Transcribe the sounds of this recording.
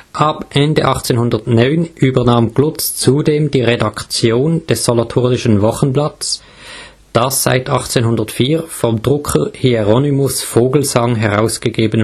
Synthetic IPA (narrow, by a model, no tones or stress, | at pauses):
ʔɑbʔɛndəʔɑχt͡seːnhʊndɐtnɔʏnʔyːbɐʁnaːmɡ̥lʊtt͡st͡sudeːmdiːʁedɑkt͡sjoːnd̥ɛsːolatʰʊʁdɪʃən̩vɔχənblɑt͡s | d̥asz̥a̰ɪtʰɑχt͡seːnɦhʊndɐtfiːɐfɔmdʁʊkʰəhiɛʁɔnimʊsfoːɡl̩zɑŋɦɛʁa̰ʊsɡ̥əɡeːbən